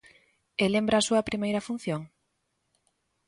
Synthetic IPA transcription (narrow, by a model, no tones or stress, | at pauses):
elembɾɐːsuɐpɾimejɾɐfun̟θjoŋ